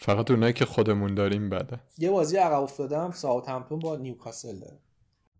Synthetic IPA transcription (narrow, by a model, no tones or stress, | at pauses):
fæɣæt̪uːnɒjiːcʰexod̪e̞mund̪ɒːɾiːmbæd̪ænje̞bɒːzijeæɣæbo̞fd̪ɒːd̪eæmsɒːot̪ʰæmt̪ʰumbɒnijukʰɒːseld̪ɒ̰ɾæm